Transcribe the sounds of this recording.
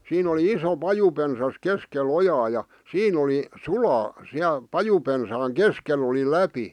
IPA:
siːn oli iso pɑjupensɑs keskel ojɑː jɑ siːn oli sulɑː siæl pɑjupensɑːŋ keskel oli læpi

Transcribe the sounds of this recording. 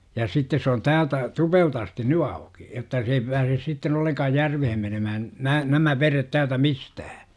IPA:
jɑ sitːes s oːn tæːltæ tupelt ɑsti ny ɑuki jotːɑ se ei pæːses sitːen olːeŋkɑːj jærʋehen menømæhæn næː næmæ ʋeret tæːltæ mistæhæ

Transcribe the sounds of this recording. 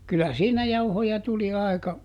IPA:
kylæ siːnæ jɑuhojɑ tuli ɑˑi̯kɑ

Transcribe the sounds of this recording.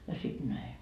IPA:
jɑ sit næi

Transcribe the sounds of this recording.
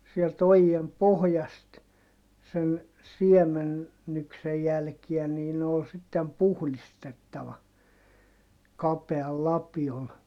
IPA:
sielt ojiem pohjɑst sen siemenːyksej jælkiæ niː ne ol sitːem puhlistetːɑʋɑ kɑpeɑl lɑpiol

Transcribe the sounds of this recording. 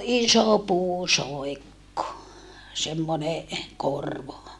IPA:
iso puːsoekːo semːone korʋo

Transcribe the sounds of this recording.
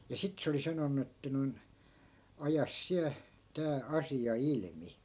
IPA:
jɑ sit se oli sɑnonːu etːæ noi̯n ɑjɑs siæ tæː ɑsiɑ ilmi

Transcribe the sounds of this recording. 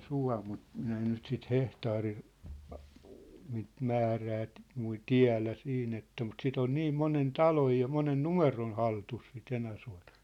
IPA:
suɑ̝ mut minæ en nyt sit hehtɑːri niːt mæːræː t̆ mui tiæ̝læ siːn etːæ mut sit on niːm monen tɑloj jɑ monen numeron̞ hɑltus sit enæsuɑ̝tɑ̥

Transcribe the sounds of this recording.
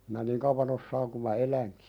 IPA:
minæ niŋ kɑuʋɑn osːɑːŋ ku mɑ elæŋki̥

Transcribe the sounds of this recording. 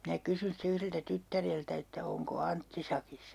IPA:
minæ kysyn ste yhreltæ tytːæreltæ etːæ oŋko ɑntːi sɑkisːɑ

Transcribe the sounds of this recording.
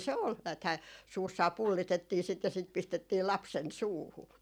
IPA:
se ol næːthæː suːsːɑː pulːitetːiː sit jɑ sit pistetːiː lɑpsen suːhu

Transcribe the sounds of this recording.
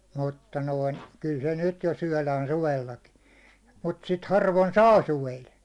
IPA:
mutːɑ noin kyl se nyt jo syæ̹læːn suʋelːɑkin̞ mut sit hɑrʋon sɑː suʋel

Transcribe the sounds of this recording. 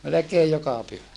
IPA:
melekeːj jokɑ pyhæ

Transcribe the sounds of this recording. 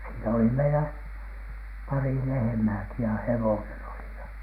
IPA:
siːnæ oli meilæ pɑri lehĕmæːki jɑ hewonen oli jɑ

